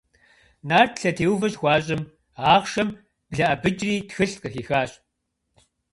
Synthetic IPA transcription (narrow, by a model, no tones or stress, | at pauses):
naːrtʰɬɐtʰeːwvɐɕxʷɑːɕ̬ʼɪm | aːʁʃɐm | b̥ɮɐʔɐbɨt͡ʃʼriːtxɨɬqəxiːxaːɕʼ